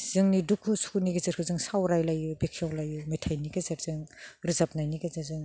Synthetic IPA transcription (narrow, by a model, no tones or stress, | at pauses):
z̥ɯŋnidukʰːusu̥kuniɡazɯɾ̚kʰɯzɯŋsawɾajlajubekʰijɔwlajumetʰajniɡazaɾzɯŋɾɯzap̚najniɡazazɯŋ